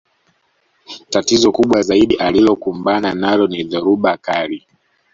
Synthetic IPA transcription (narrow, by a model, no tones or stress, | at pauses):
tatizɔkuɓwazaiɗiʔalilɔkumbananalɔniðɛɾuɓakali